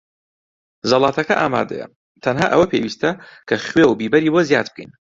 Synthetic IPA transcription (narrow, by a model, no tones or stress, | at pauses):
zɐlˠɑːt̪ʰɐkɐʔa̰ːma̰ːd̪ɐ̰jɐ̰ | t̪ʰɐnɦa̰ːʔɐ̰wɐpʰewiːst̪ɐkʰɐχwewbibɐɾiːbozjaːd̪̚b̥̚kʰḛjn